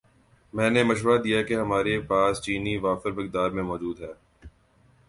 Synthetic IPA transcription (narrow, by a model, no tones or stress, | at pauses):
mɛ̃ːnemɐʃ̬ʋɾad̪ijakeɦɐmaːɾepaːst͡ʃiːniʋaːfəɾmɪkd̪aːɾmẽmɔːd͡ʒuːd̪ɦɛː